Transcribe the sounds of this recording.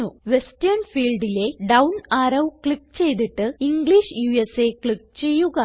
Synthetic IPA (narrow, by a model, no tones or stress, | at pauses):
uʋe̞stɐɾnfiːlɖile̞ɖɐwnaːɾɐwkɭik̚ːt͡ɕe̞jt̪iʈːɨiŋɡɭiʂjuːese̞kɭikːt͡ɕe̞jːuɣɐ